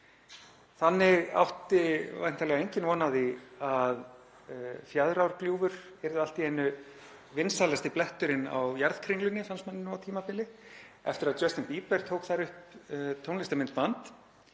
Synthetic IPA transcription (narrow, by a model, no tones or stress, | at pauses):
θanːɪɣa̰wht̪ɪva̰jn̥t̪ʰalɛɣaejɲcɪnvɔːnaðiað | fjaðɾawɾkljuːvʏɾ̥ | ɛɾðɪal̥t̪iejnːʏ | vɪnsalɛast̪ɪplɛht̪ʏɾɪna̰wjaɾðkʰɾɪŋlʏnːɪθansmanːɪnːʏawt̪ʰiːmapɪlɪɛ̰ft̪ɪɾaðt͡ɕœst̪ɪnpiːpɛɾ̥t̪ʰoːwkθaɾʏhpt̪ʰownlɪst̪amɪnt̪̚mant̪